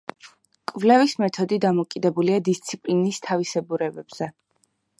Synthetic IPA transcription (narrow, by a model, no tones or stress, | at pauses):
kʼvlɛvismɛt̪ʰɔd̪id̪amɔkʼid̪ɛbuliad̪ist̪sʰipʼlinist̪ʰavisɛbuɾɛbɛb̥z̥ɛ